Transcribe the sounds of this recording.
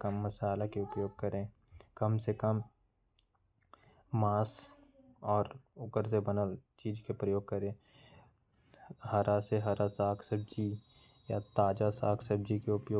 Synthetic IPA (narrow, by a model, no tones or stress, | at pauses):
kəmːəsaːlakeʊpjoːɡ̚kəɾẽ | kəmsekəm | aːs | ɔːɾʊkəɾsebənəlt͡ʃiːd͡ʒkepɾəjoːɡ̚kəɾẽː | ɦɐɾaseɦəɾasaːkʰsəb̚d͡ʒi | jat̪aːd͡ʒasaːkʰsəb̚d͡ʒikeʊpjoː